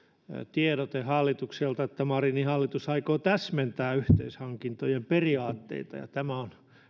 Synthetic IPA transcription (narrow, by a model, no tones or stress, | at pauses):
t̪ieɾot̪ehɑlːit̪ukselt̪ɑet̪ːæmɑrinihɑlːit̪usɑikoːt̪æsment̪æːyht̪eishɑŋkint̪ojemperiɑːt̪ːḛit̪ɑ̰jɑ̰t̪æmæon